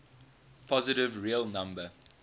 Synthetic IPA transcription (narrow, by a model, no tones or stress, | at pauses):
pʰɔzɪɾɪvɹiəlˠnãmbə